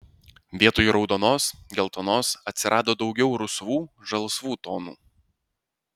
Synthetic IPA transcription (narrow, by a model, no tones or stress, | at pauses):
ʋʲiɛt̪oːjuɾɒʊd̪oːnoːsɡʲɛlˠt̪ɔnoːsɐt̪ʲsʲɪɾʔɑːd̪oːd̪ɒʊɡʲɛʊɾʊsʋuːʒɐlˠsʋuːt̪oːnṵː